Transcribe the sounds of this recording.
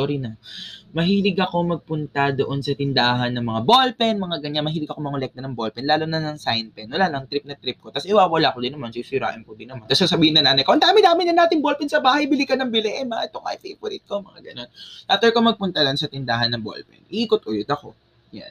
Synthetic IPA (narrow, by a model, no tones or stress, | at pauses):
oɾinɐmɐɦiːlɪɡɐko̞mɐɡ̚pʊnt̪ɐd̪oʔo̞nsɐt̪ɪnd̪aːɦɐnːɐŋmɐŋabolpɛnmɐŋaɡɐɲanmɐɦiːlɪɡɐkomɐŋolɛk̚t̪ɐnɐŋbolpɛnlaːlonɐnɐŋsajnpɛnːɐlaːlɐŋt̪ɾɪp̚nɐt̪ɾɪp̚ko̞t̪ɐsɪwawɐlaːkod̪ɪnɐmansisʊɾa̰ːʔɪmkod̪ɪnɐmaɐnt̪ɐsasɐbiːhɪnːɐŋaːnɐjkoʔɐnd̪aːmɪd̪aːmɪnɐnaːt̪ɪŋbolpɛnsɐbaːhɐjbɪlɪkɐnɐŋbɪlɛʔɛnmɐa̰ʔɛt̪oŋɐ̰ɪfevoɾit̪̚komɐŋa̰ɡɐno̞nat̪ɛɹkomɐɡ̚pʊnt̪ɐd̪oʔonsɐt̪ɪnd̪aːɦɐnːɐŋbo̰lpɛ̰nʔiːkot̪̚kojot̪ɐko̞̰ | ja̰n